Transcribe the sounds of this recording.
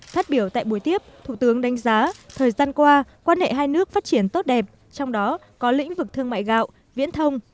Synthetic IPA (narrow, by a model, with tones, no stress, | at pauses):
faː˦˥t̚ɓi˧˩əwt̪a̰ː˧˨jɓu˧˩əjt̪i˦˥əp̚t̪ʰu˨˧˩t̪ɨ˨˦əŋɗa˨˦ŋ̟zaː˨˦t̪ʰəː˨˩jzaː˧nkwaː˧kwaː˧nhḛ˧˨ɦaː˧jnɨ˦˥ək̚faː˦˥t̚t͡ɕi˧˩ənt̪o˦˥t̚ɗɛ˨˩p̚ | t͡ɕɔ˧wŋ͡mɗɔ˨˦ | kɔ˨˦lḭ̈˧˥ŋ̟vɨ˨˩k̚t̪ʰɨ˧əŋma̰ː˧˨jɣa̰ː˧˨w | vḭ˧˥ənt̪ʰə˧wŋ͡m